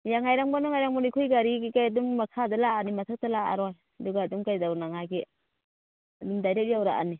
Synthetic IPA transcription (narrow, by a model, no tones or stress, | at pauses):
jaŋajɾaŋbɔnɔŋajɾaŋbɔnikʰujɡaɾiɡikajadummakʰadalaːnimatʰak̚talaa̰ɾɔj | aduɡaːdumkajdawnaŋaɡi | adumdajɾet̚jawɾaʔa̰ni